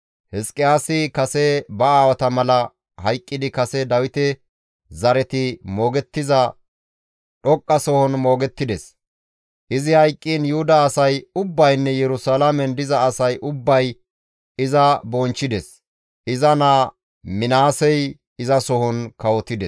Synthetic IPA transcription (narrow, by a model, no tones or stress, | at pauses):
hɛskʼɪjaːsɪkɐsɛbɐaːwɐt̪ɐmɐlɐ | hɐjkʼːɪd̪ɪkɐsɛd̪ɐwɪt̪ɛ | zɐɾɛt̪ɪmo̞ːɡɛt̪ːɪzɐ | ɗɔkʼːɐsɔhɔnmo̞ːɡɛt̪ːɪd̪ɛs | ʔɪzɪhɐjkʼːiːnjʊhʊd̪ɐːsɐjʊbːɐjnːɛjɛɾʊsalamɛnd̪ɪzɐːsɐjʔʊbːɐj | ɪzɐbɔnt͡ʃːɪd̪ɛs | ʔɪzɐnaː | mɪnaːsɛj | ɪzɐsɔhɔnkɐwɔt̪ɪd̪ɛs